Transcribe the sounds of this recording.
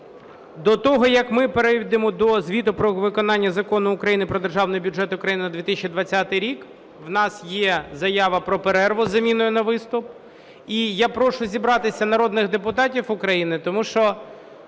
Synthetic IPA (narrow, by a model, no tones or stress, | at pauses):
d̪ɔt̪ɔɦɔjɐkmɪpeɾɛʋʲid̪ɪmɔd̪ɔzʲʋʲit̪ʊpɾɔʋɪkɔnɑnʲːɐzɐkɔnʊːkɾɐjinɪpɾɔd̪erʒɑwnɔjɔbʲʊʐɛt̪ʊʊkɾɐjinnɐd̪ʋʲit̪ɪsʲt͡ʃʲid̪ʋɐt͡sʲːat̪ɪjɾʲik | ʋnɑsjɛzɐjɑʋɐpɾɔpeɾɛrʋɔzɐmʲinʊjʊnɐʋɪst̪ʊp̚ | ijapɾɔʂʊzʲibɾɑt̪ɪsʲɐnɐɾɔd̪nɪɣd̪epʊt̪ɑtʲifʊkɾɐjinɪt̪ɔmuʃt͡ʃɔ